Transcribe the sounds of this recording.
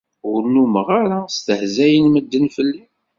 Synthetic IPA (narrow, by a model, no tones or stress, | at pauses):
ʊɾnuməʁaɾast̪əhzæjənməd̪ːənfəlːi